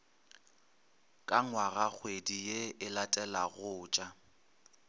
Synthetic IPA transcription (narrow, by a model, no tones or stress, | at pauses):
kʼaŋwaɣak͡xʰwedijeɪlatʼɛlaɣʊːt͡ʃʼa